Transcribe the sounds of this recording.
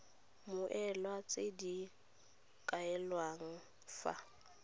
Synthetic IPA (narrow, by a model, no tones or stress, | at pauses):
mʊʔɛlwat͡sʼedi | kʼaɛlwaŋ̩ | fa̰